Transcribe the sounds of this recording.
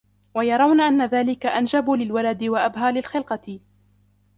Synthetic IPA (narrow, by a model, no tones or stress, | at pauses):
wajɑɾˤɑwnaʔanːaðaːlɪkaʔand͡ʒabulɪlwalad̪ɪwaʔabɦaːlɪlxɪlqɑt̪ɪ